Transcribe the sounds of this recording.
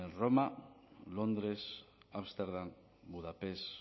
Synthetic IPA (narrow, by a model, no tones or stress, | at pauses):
enromalond̪ɾesaβst̪eɾðam | buðapes